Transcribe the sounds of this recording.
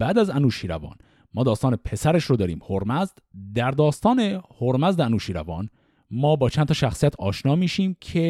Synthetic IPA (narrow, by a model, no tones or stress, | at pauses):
b̥æːd̪æzænuːʃiːɾævɒ̰ːn | mɒːd̪ɒːst̪ɒːnepʰe̞sæɾeʃɾod̪ɒːɾiːmhoɾmæzd̪̥d̪æɾd̪ɒːst̪ɒːne̞hoɾmæzd̪eænuːʃiːɾævɒːn | mɒːbɒːt͡ʃʰænt̪ʰɒːʃæxsijæt̪ʰɒːʃnɒːmiːʃiːmcʰe